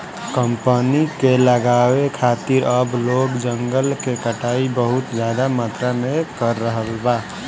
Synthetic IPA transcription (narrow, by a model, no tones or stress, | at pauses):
kəmpənikeləɡawekʰat̪iɾəblokd͡ʒəŋɡəlkekəʈaibəɦut̪d͡ʒjad̪amat̪ɾamekəɾːəɦəlba